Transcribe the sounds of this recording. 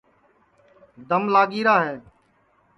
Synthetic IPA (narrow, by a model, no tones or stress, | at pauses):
d̪əmlaːɠiːɾaːɦɛː